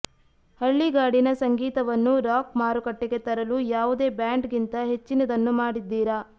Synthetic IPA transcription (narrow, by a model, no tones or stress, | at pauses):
hɐɭːiɡaːɽinɐsɐŋɡiːt̪ɐʋɐnːuɾaːkmaːɾukɐʈːeɡe̞t̪ɐɾɐlujaːʋud̪e̞ːbjaːɳɖɡint̪ɐɦe̞t͡ʃːinɐd̪ɐnːumaːɽid̪ːiːɾɐ